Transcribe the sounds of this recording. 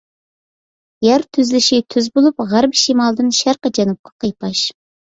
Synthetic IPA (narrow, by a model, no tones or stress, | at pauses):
jæɾt̪ʰyzlɪʃɪt̪ʰyzbolˠupʁæɾbɪʃimɑlˠd̪ɨnʃæɾqɑd͡ʒɑnup̚qʰɑ̥qʰɑjpʰɑʃ